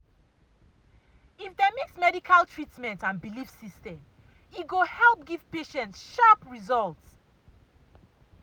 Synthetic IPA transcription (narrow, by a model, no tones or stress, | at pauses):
ifdɛmeksmɛdikʰaltʰɹitmɛ̃ntãnbilifsistɛ̃m | iɡohɛlˠp̚ɡiv̥peʃɛ̃ntsʃapɹizɔlts